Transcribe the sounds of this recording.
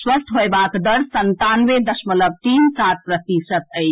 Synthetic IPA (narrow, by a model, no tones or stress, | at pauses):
swəst̪ʰɦobakd̪əɾsənt̪anʋed̪əsmələb̚t̪insat̪̚pɾət̪isət̪əɪt͡ʃʰ